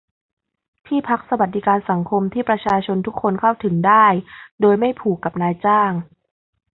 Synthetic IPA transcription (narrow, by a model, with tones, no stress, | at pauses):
t̪ʰiː˥˩pʰa˦˥k̚sa˧wa˨˩t̪̚di˨˦kaː˧nsa˩˦ŋkʰo˧mt̪ʰiː˥˩pɾa˧t͡ɕʰaː˧t͡ɕʰo˧nt̪ʰu˦˥kʰːo˧nkʰa˥˩wt̪ʰɯ˩˦ŋdaː˥˩jdoː˧jma˥˩jpʰuː˨˩kːa˨˩p̚naː˧jt͡ɕaː˥˩ŋ